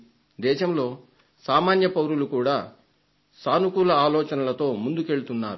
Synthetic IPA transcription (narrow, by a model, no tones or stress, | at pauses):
d̪ɛːʃɐmlo̞ː | saːmaːnjɐpɐwɾulukuːɽaː | saːnukulɐaːlɔːt͡ʃɐnɐlɐt̪o̞ːmund̪uke̞ɭut̪unːaːɾu